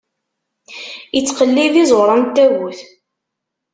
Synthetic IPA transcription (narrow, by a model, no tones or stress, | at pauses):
ət͡sːqəlːiðizˤwɾˤənt̪ːæɣuθ